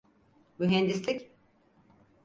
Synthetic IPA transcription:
myɦɛnd̪islʲik

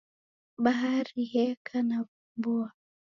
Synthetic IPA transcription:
ɓaɦaɾihɛkʰanaumbua

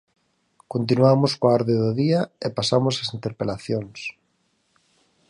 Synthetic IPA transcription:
kont̪̬inwamʊskoaɔɾðeðoðiaepasamʊsasint̪eɾpelaθjoŋs

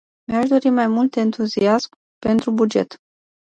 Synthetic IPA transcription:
meaʃd̪o̞ɾimajmult̪ent̪uziasm | pe̞nt̪ɾubud͡ʒe̞̰t̪

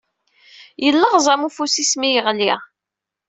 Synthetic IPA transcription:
jəlːəʁzˤɑmufusismijəʁliʁ

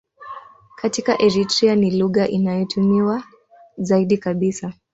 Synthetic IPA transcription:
katikaʔɛɾitɾianiluɣaʔinajɔtʰumiwa | zaiɗikaɓisa

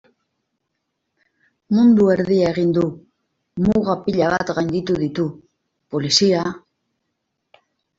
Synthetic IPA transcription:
mũnd̪ueɾðiaɣind̪u | muɣapiʎaβa̰t̪ɣand̪it̪uðit̪u | polisia

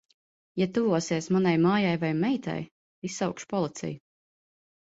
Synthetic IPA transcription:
jat̪uvuɔsiɛsmanajmaːjajvajmɛjt̪a̰j | isːawkʃpɔlˠit̪sʲɛ̰ju

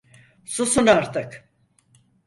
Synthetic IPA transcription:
susunaɾt̪ʰɯk

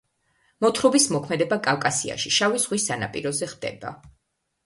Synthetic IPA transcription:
mɔt̪ʰɾɔbismɔkʰmɛd̪ɛbakʼalˠkʼasia̰ʃiʃavizʁwisana̰pʼḭɾɔzɛχd̪ɛ̰ba̰

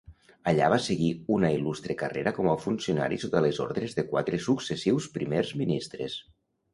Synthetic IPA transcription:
aʎa̰βaseɣiunailust̪ɾekareɾakɔmafunsiuna̰ɾisot̪alezo̰ɾðɾezðekwat̪ɾesuksesiwspɾimeɾzminist̪ɾḛs

